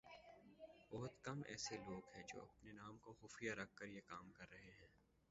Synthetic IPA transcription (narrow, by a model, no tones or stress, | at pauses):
bɐɦʊt̪kɐmɛ̰ːseloːɡɦɛ̃ːd͡ʒo̰ːɐ̰pnenaːmkoxʊːfijaɾɐk̚ʰːəɾjekaːmkɐɾːɐɦeɦɛ̃ː